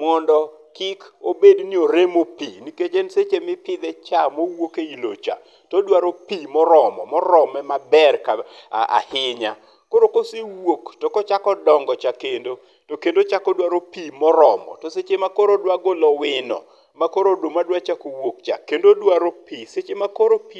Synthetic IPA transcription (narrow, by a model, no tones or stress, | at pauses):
mɔndɔ | kɪkobednioɾemopiniket͡ʃenset͡ʃemɪpɪd̪ɛt͡ʃamowokeilo̰t͡ʃa̰ | todwaɾopimɔɾɔmɔ̰mɔɾɔmɛmabɛrkaa̰hɪɲa̰ | koɾokosɪwoktokɔt͡ʃakɔdɔŋɡɔt͡ʃakendo | tokendot͡ʃakɔdwaɾopimɔɾɔmɔ̰toset͡ʃemakoɾodwaɡolɔwɪnɔ̰ | makoɾodomadwat͡ʃakowok̚t͡ʃa̰kendodwaɾopiset͡ʃemakoɾopi